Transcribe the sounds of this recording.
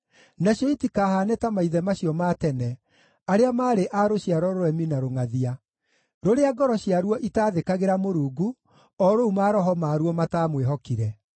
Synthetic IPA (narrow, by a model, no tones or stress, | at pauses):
naɕjɔitikaɦanɛtamaiðɛmaɕiɔmatɛnɛ | aɾeamaːɾeʔaɾoɕiaɾɔɾoɾɛminaɾoŋaðia | ɾoɾeaɡɔɾɔɕiaɾwɔʔitaːðekaɣeɾamoɾuːɡu | ɔɾoumaːɾɔɦɔmaɾuɔmataːmweɦɔkiɾɛ